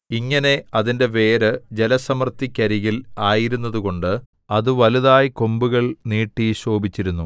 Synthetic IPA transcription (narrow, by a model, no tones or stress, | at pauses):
iŋːɐne̞ɐðinde̞ʋeːɾɨd͡ʑe̞lɐsɐmɐrt̪ːikʲːɐɾiɣilaːjiɾunːɐðuɣo̞ɳɖɨ | ɐðɨʋɐluðaːjiko̞mbuɣɐɭniːʈːiɕo̞ːbit͡ɕːiɾunːu